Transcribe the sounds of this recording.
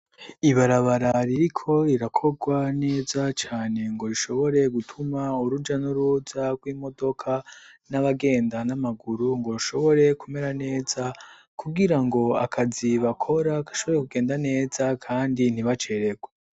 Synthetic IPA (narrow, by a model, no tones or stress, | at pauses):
iβaɾaβaɾaɾiɾikʰo̞iɾakʰo̞ɡwane̞ːzat͡ʃaːne̞ŋɡo̞ɾiʃo̞βo̞ɾe̞ɡutʰumauɾud͡ʒanuɾuzaɡwiːmo̞do̞kʰanaβaɡe̞ːndanamaɡuɾuŋɡo̞ɾuʃo̞βo̞ɾe̞kume̞ɾane̞ːza | kʰuɡiɾaŋɡo̞akʰaziβakʰo̞ɾakḁʃo̞βo̞ɾekuɡe̞ːndane̞ːzakʰaːndin̥iβat͡ʃe̞ɾe̞ɡwe